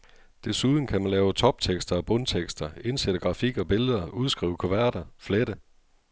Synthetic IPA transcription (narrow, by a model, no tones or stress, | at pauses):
d̥e̝suð̞ˠn̩kʰæmænlɛːʊt͡sʰɒ̽b̥̚t͡sʰeɡ̥sd̥ɐ̽ːb̥ɔnt͡sʰeɡ̥sd̥ɐe̝nsed̥əɡ̥ʁɑ̈fiɡ̥ɒ̽b̥e̝ləð̞̩ˠɐuð̞ˠsɡ̥ʁḭːʊkʰo̝ʋæɐ̰ɾ̥ɐfled̥ə